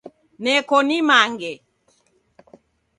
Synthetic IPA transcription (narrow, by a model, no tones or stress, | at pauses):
nɛkɔnimaŋɡɛ